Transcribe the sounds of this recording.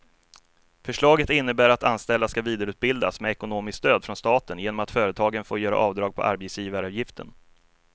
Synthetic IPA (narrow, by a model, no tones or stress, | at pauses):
fœʂɭɑːɡət̪ɪnːəbæːɾat̪anst̪ɛld̪askaviːd̪aɾʉ̟ːt̪̚bɪld̪a̰smɛɛkʊnoːmɪskst̪øːd̪fɾɔnst̪ɑːt̪ənjeːnɔmat̪fœːɾət̪ʰɑːɡənfoːjœːɾa̰ʔɑːvd̪ɾɑːɡ̚pʰɔ̰ʔa̰ɾbet̪sjiːvaɾɑːvjɪft̪ʰə̰n